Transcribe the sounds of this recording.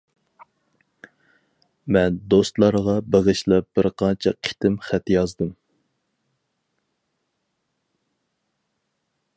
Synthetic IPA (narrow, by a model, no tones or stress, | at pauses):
mɛnd̪ost̪lˠɑɾʁɑbeʁɨʃlɛp̚b̥ɪɾqʰɑnt͡ʃʰɛqʰi̥t̪ʰɪmχæt̪jɑzd̪ɨm